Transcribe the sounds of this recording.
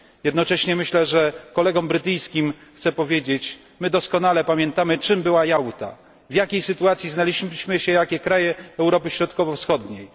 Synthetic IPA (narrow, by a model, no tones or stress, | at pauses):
jɛd̪nɔt͡ʂɛɕɲɛmɘɕlɛʐɛkɔlɛɡɔmbɾɘt̪ɘjskʲimxt̪sɛpɔvʲjed͡ʑet͡ɕ | mɘd̪ɔskɔnalɛpamʲjɛnt̪amɘt͡ʂɘmbɘwajawt̪a̰ | vjakʲejsɘt̪uat̪sʲjiznalʲiɕɕmɘɕɛjakʲɛkɾajɛɛwɾɔpɘɕɾɔt̪kɔvɔfsxɔd̪ɲej